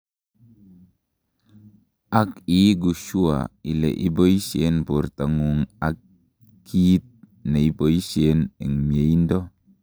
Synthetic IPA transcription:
akiɡuʃua̰ilḛʔiboisenpurt̪aŋuŋakː | it̪̚ | naiboisenɛŋmieindo

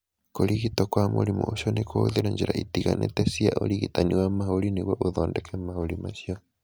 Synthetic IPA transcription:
koɾiɣitokwamuɾimṵoʃonekʰooðiɾaɲd͡ʒiɾaitiɣanetesiaʔoɾiɣitaniwamahoɾiniɣwoʔoðoːndekʰemahoɾimaʃjo

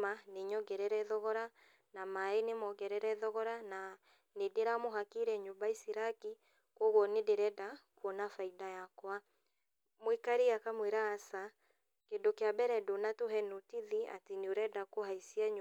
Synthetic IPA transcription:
aneɲɔɡɛɾɛɾɛðɔɣɔɾa | namaenemɔɡɛɾɛɾɛðɔɣɔɾana | nedeɾamoɦakiɾɛɲobaisiɾaki | kwɔɣwɔnedeɾɛdakwɔnafaidajakwa | mwekaɾeakamweɾaːsa | kedokeabɛɾɛdonatoɦɛnotiðia̰teneoɾɛdakoɦaisiaɲ

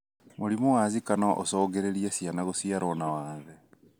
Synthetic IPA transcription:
moɾimowazikanaʔo̰sɔːɡeɾeɾiasianaɣosiaɾɔnawaːðɛ

